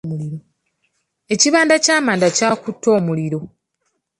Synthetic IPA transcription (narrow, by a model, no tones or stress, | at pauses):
muliɾo | e̞ciβaːndacaːmaːndacakutʰːo̞ːmuliɾo̞